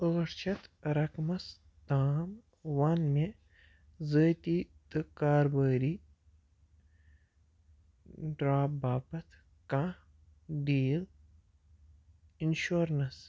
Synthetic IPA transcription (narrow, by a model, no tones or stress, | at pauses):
əːɾt͡ʃʰɐt̪ɾɐkmɐs | t̪aːm | ʋanme | zəːt̪iːt̪ɨkaːɾbəːɾi | ɖɾaːpbaːpɐt̪ʰ | kã | ɖiːl | inʃoːɾnɐs